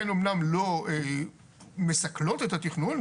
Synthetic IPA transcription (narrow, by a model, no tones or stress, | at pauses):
eno̞mnamlo̞e | me̞sɐklo̞t̪et̪at̪iχnun